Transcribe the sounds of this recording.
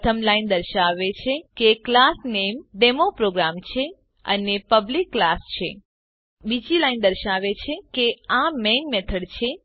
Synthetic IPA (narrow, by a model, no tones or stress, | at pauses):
t̪ʰəmlaind̪əɾʃaʋet͡ʃʰekeklasnemɖemopɾoɡɾamt͡ʃʰe | ə̰nepəblikːlast͡ʃʰe | bid͡ʒilaind̪əɾʃaʋet͡ʃʰekeamɛŋɡmɛt̪ʰəɽt͡ʃʰe